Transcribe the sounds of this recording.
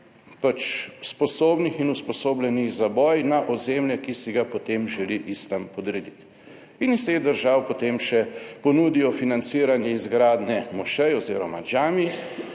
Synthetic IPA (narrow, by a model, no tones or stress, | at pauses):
pat͡ʃspɔsoːbnixinuspɔsoːblʲjɛniɣzabɔːjnaʔɔzemljɛkisiɡapot̪emʒɛliʔist̪ampɔd̪ɾɛd̪it̪ | inist̪eɣd̪əɾʒaːwpɔt̪emʃɛpɔnuːd̪ijɔfinant̪siːɾanjɛizɡɾaːd̪nɛmɔʃɛjɔziːɾɔma̰d͡ʒaːmi